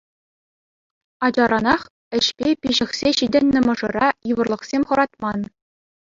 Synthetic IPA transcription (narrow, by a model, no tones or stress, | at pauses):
ɑd͡ʑɑɾɑnɑχ | ɘ̆ɕpʲepʲiʑɘ̆xsʲeɕidʲɘ̆nʲːɘ̆mɤ̆ʐɤ̆rɑjiʋɤ̆rlˠɤ̆χsʲemʲχɤ̆ɾɑt̪mɑn